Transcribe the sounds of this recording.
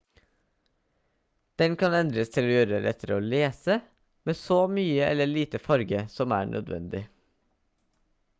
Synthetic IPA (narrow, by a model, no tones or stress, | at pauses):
d̪̥ɛnkʰɑnɛnd̪ɾəst̪ʰɪloːjøːɾəɾɛ̰t̪əɾəoːleːsə | meːsoːmyːəʔɛ̰ləɭiːt̪əfɑɾɡəsɔmæ̰ːɳʔœ̰d̪ʋɛ̰nd̪ɪ